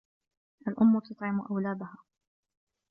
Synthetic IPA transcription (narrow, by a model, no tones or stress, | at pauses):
ʔalʔʊmːʊt̪ʊt̪ˤʕɪmʊʔawlaːbʊhaː